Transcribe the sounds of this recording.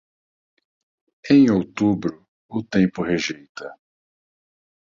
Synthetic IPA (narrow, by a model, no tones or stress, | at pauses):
ẽj̃owt̪ubɾʊ | ʊt̪ẽpʊɦeʒejt̪ɐ